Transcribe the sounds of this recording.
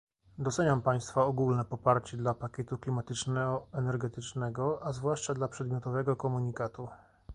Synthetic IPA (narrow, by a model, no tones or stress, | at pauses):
d̪ɔt̪sɛɲampaj̃st̪faɔɡulnɛpɔpaɾt͡ɕɛd̪lapakʲjɛt̪uklʲimat̪ɘt͡ʂnɛɔɛnɛɾɡɛt̪ɘt͡ʂnɛɡɔazvwaʂt͡ʂad̪lapʂɛd̪mʲjɔt̪ɔvɛɡɔkɔmuɲikat̪u